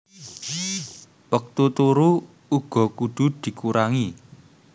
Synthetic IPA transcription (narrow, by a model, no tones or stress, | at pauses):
wək̚t̪ut̪uɾu | uɡ̥ɔ̤kuɖ̪̥ʊ̤d̪̥i̤kuɾaŋi